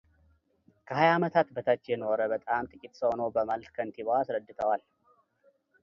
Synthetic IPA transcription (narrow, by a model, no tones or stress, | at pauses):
kʰəɦajamət̪ʰat̪bət̪ʰat͡ʃːjɛnoɾəbət̪ʼamt̪ʼɨkʼit̪ʼsəhonəwbəmalt̪kʰənt̪ʰiβoasɾəd̪ːɨt̪ʰəwal